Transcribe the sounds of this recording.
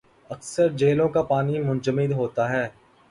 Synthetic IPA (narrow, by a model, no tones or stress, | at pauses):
ɐksəɾd͡ʒeːlõkapaːnimʊ̃nd͡ʒəmɪd̪ɦoːt̪aɦɛː